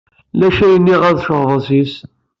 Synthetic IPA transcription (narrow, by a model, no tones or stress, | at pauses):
læʃæjənːiʁæðʃəʁðˤəzis